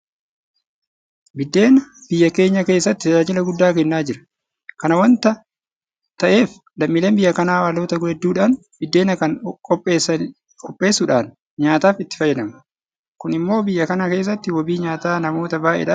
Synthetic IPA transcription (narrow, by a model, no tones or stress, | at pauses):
bɪd̪ːe̞ːnɐb̥ɪjːɐke̞ːɲːɐke̞ːsːɐt̪ːɪt̪ɐd͡ʒaːd͡ʒɪlɐɡʊd̪ːaːk̬ɛnːaːd͡ʒɪɾɐ̥ | kɐnɐwɐnt̪ɐ | t̪ɐʔe̞ːf | lɐmːɪːleːmbɪjːɐkɐnaːwaːloːt̪ɐɡʊhɛd̪ːuːᶑaːn | bɪd̪ːe̞ːnɐkɐŋkʼɔpʼːeːsɐ | kʼɔpʼːe̞ːsːʊᶑaːn | ɲaːt̪aːfɪt̪ːɪ̥fɐjːɛᶑɐmɐ | kʊnɪmːo̞ːbɪjːɐkɐnɐke̞ːs̬ːɐt̪ːɪwɔbiːɲaːt̪aːnɐmo̞ːt̪ɐbaːʔɛ̰ᶑa